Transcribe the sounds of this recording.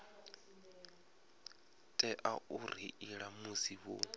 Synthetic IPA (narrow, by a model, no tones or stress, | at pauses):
tʼɛʔaʔuɾḭʔiɺamusiβo̰